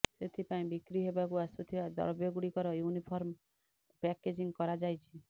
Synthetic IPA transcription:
set̪ʰipaĩbikɾiɦebakuasut̪ʰibad̪ɔ̰ɾbjɔɡuɽikɔɾɔjunipʰɔɾm | pɛked͡ʒiŋkɔɾad͡ʒajt͡ʃʰi̥

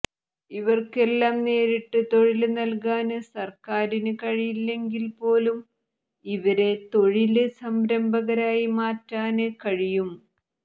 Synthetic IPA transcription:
iʋɐrke̞lːaːmne̞ːɾiʈːɨt̪o̞ɻilnɐlkaːnɨsɐrkaːɾinɨkɐɻijilːe̞ŋɡilpo̞ːlum | iʋɐɾe̞t̪o̞ɻilɨsɐmbɾɐmbɐɣɐɾaːjimaːtːaːnɨkɐɻijum

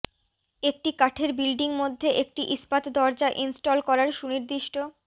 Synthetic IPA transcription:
ek̚ʈikaʈʰeɾbilɖiŋmod̪ʱːeʔek̚ʈiʔispat̪d̪ɔɾd͡ʑaʔinsʈolkɔɾaɾʃuniɾd̪iʃʈo

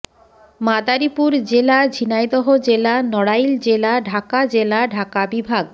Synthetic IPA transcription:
mad̪aɾipuɾd͡ʑelad͡ʑʱinajd̪ɔɦod͡ʑelanɔɽajld͡ʑelaɖʱakad͡ʑelaɖʱakabibʱaɡ

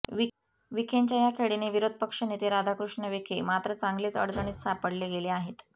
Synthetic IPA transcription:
i | ʋikʰeɲt͡ɕajakʰeɽineʋiɾod̪̚ʱpəkʂənet̪eɾad̪ʱakɾuʂɳəʋikʰemat̪ɾət͡saŋɡleːt͡sə̰ɽd͡zəɳ̃iːt̪sapəɽleɡeleaɦet̪

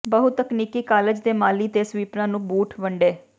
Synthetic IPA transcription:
bəɦʊt̪əkniːkiːkaːləd͡ʒd̪eːmaːliːt̪eːsʋiːpnãːnũːbuːʈʰʋəɳɖeː

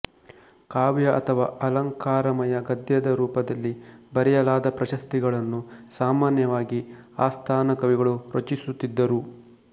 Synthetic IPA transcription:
kaːʋjɐʔɐt̪ʰɐʋaːʔɐlɐŋkaːɾɐmɐjɐɡɐd̪jɐd̪ɐɾuːpɐd̪ɐlːibɐɾɛjɐlaːd̪ɐpɾɐʃɐst̪iɡɐɭɐnːusaːmaːnjɐʋaːɡi | aːst̪ʰaːnɐkɐʋiɡɐɭuɾɐt͡ʃisut̪ːid̪ːɐɾu

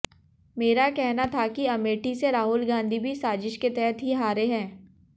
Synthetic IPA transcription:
meːɾakɛɦnat̪ʰakiɐmeːʈiseɾaːɦʊlɡãːnd̪ʱibʱisaːzɪʃket̪ɛɦət̪ɦiɦaːɾeɦɛ̃ː

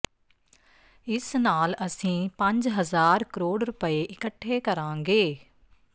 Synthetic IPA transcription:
ɪsnaːləsĩːpə̃ɲd͡ʒɦəzaːɾkəɾoːɽɾʊpəeːʔɪkəʈʰːeːkəɾãːŋɡeː

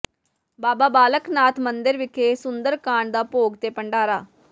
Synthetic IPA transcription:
baːbaːbaːləknaːt̪ʰmə̃nd̪ɪɾʋɪkʰeːsʊnd̪əɾkaːɳd̪aːpoːɡt̪eːpəɳɖaːɾaː

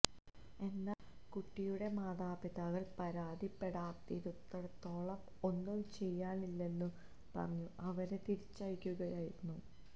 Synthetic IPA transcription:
e̞nːa | kuʈːijuɽe̞maːðaːbiðaːɣɐɭpɐɾaːd̪ʱipːe̞ɽaːt̪ːiɾut̪ːɐɽɐt̪ːo̞ːɭɐm | o̞nːumt͡ɕe̞jːaːɳilːe̞nːɨ | pɐ̰rɐɲːuʔɐʋɐɾet̪iɾit͡ɕːɐɻikʲːuɣɐjaːjiɾunːu

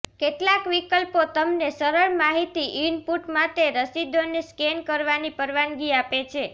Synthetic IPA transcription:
keʈlakʋikəlpot̪əmnesəɾəɭmaɦit̪iʔinpuʈmat̪eɾəsid̪ʱoneskɛnkəɾʋanipəɾʋanɡiapet͡ʃʰe

